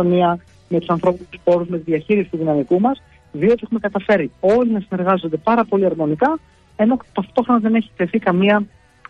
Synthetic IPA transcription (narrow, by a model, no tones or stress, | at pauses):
oniɐ | met̪u̥sɐnθɾo̞pinuspo̞ɾuzme̞t̪iðiɐçiɾisit̪uðinɐmikumɐs | ðio̞t̪ie̞xume̞kɐt̪ɐfe̞ɾio̞linɐsine̞ɾɣɐzo̞nd̪e̞pɐɾɐpo̞liɐɾmo̞nikɐ | e̞no̞t̪ɐft̪o̞xɾonɐðe̞ne̞çi̥t̪e̞θikɐmiɐ